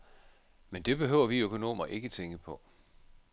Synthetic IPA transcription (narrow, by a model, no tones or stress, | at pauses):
mend̥e̝b̥e̝ɦø̰ʊ̰ɐʋiøkʰo̝no̝̰ːmɐʔe̝ɡ̥ət͡sʰeŋɡ̥əpʰɒ̽